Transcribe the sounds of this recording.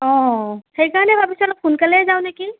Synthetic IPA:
ɔ̃xejkaɹɔnɛbʱapisɔalɔp̚ʰunkalɛɛzaw̃neki

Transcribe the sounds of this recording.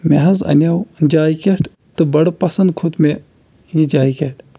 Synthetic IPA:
mʲeɦɐzɐ̰nʲawd͡ʒaːjkʲeʈʰ | t̪ɨbɐɽpɐsɐnd̪̚kʰut̪me | jid͡ʒaːikeʈʰ

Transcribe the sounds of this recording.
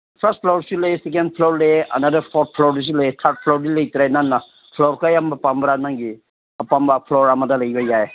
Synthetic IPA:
pʰɐst̚pʰlowɾsulɐjesekend̚pʰloɾlejeʔɐ̰nadɐɾpʰɔt̚pʰlɔɾdis̬ulɐjet̪ʰaɾt̚pʰlɔɾdilɐjtiɾajnanːa | pʰlɔɾkajambapambɾanaŋɡi | pambapʰlɔɾamɐdɐlɐjbajae

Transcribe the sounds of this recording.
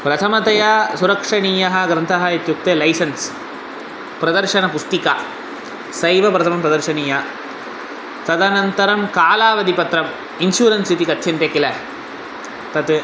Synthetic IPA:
pɾɐt̪ʰɐmɐt̪ɐjaːsʊɾɐkʂɐɳiːjɐɦɐɡɾɐnt̪ʰaɦajɐt̪juk̚t̪ɐlɐɪsɐns | pɾɐðɐɾʂɐnɐpʊst̪ika̰ː | sɐjʋɐpɾɐt̪ʰɐmɐmpɾɐðɐɾʂɐniːjaː | t̪ɐd̪ɐnɐnt̪ɐɾɐmkaːlaːʋɐd̪ipɐt̪ɾɐm | ɪnʃuːɾɐnsit̪ikɐt̪ːt͡ʃʰɐnɾɐkːɪlɐ | p̪ɐt̪ɯ

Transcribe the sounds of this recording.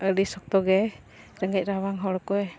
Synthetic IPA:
əɾisɔk̚t̪ɔɡɛ | ɾɛŋɡɛc̚ˀɾawaŋɦɔɽɔkɔɛ

